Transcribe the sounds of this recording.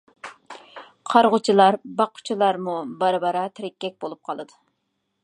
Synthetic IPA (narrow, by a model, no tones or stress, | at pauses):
qʰɑɾʁʊt͡ʃʰilˠɑɾbɑqʰːʊ̥t͡ʃʰilˠɑɾmubɑɾɨbɑɾɑt̪ʰɪɾɪkʲːɛk̚ʲbolˠup̚qʰɑlˠɨd̪u